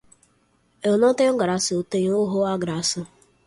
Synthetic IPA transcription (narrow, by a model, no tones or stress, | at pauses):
enoteɡaɾasʊteɲoɦoaɡɾasʊ